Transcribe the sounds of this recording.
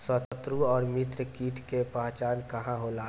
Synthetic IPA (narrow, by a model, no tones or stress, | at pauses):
sət̪ət̪ɾuɔːɾmɪt̪ɾəkiːʈʰkepaːt͡ʃaːnkɐɦãɦoːlaː